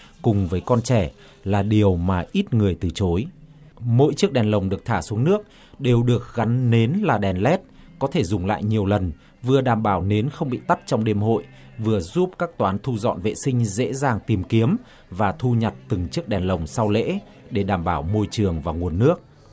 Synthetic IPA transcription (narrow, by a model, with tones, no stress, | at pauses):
kʊ˨˩ŋ͡mvəː˨˦jkɔ˧nt͡ɕɛ˧˩ | laː˨˩ɗi˨˩əwmaː˨˩ʔi˦˥t̚ŋɨ˨˩əjt̪ɨ˨˩t͡ɕo˨˦j | mo̰˧˥jt͡ɕɨ˦˥ək̚ɗɛ˨˩nlə˨˩wŋ͡mɗɨ˨˩ək̚t̪ʰaː˧˩su˨˦əŋnɨ˦˥ək̚ | ɗe˨˩wɗɨ˨˩ək̚ɣa˨˦nːe˨˦nlaː˨˩ɗɛ˨˩nlɛ˦˥t̚kɔ˨˦t̪ʰe˧˩zʊ˨˩ŋ͡mla̰ː˧˨jɲi˨˩əwlə˨˩n | vɨ˨˩əɗaː˧˩mɓaː˧˩wne˨˦nxə˧wŋ͡mɓḭ˧˨t̪a˦˥t̚t͡ɕɔ˧wŋ͡mɗe˧mho̰˧˨j | vɨ˨˩əzu˦˥p̚kaː˦˥k̚t̪waː˨˦nt̪ʰu˧zɔ̰˧˨nvḛ˧˨sï˧ŋ̟zḛ˧˥zaː˨˩ŋt̪i˨˩mki˨˦əm | vaː˨˩t̪ʰu˧ɲə˨˩t̚t̪ɨ˨˩ŋt͡ɕɨ˦˥ək̚ɗɛ˨˩nlə˨˩wŋ͡msa˧wlḛ˧˥ | ɗe˧˩ɗaː˧˩mɓaː˧˩wmo˧jt͡ɕɨ˨˩əŋvaː˨˩ŋu˨˩ənːɨ˦˥ək̚